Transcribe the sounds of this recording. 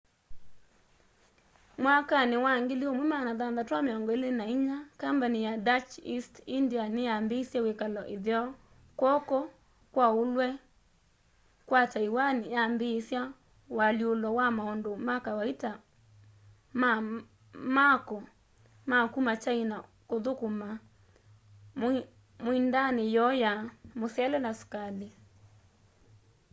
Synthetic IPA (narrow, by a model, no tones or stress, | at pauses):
mwakanewaŋɡeliomwemanaðanðatwameɔŋɡɔelenaiɲakambanijadat͡ʃistindianejambesjawekalɔʔeðjɔ | kwɔkɔ | kwaolwɛ | kwataiwanjambesja | waliolɔwamaɔndomakawaita | ma | makɔ | makumat͡ʃaina | koðokoma | moindanejɔjamosjɛlɛlasu̥kale